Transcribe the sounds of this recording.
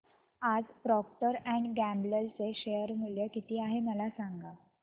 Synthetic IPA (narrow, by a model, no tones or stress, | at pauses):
ad͡zpɾɔkʈəɾæ̃ɳɖɡæmbləlt͡seɕejəɾmuljəkit̪iːaɦeməlasaŋɡa